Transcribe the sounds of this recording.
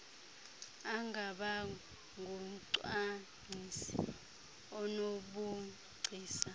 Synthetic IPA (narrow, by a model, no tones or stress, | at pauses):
aŋʱaɓa | ŋɡʱuǀwa | nisḭ | ɔnoɓu | ɡ͡ǀʱiːsa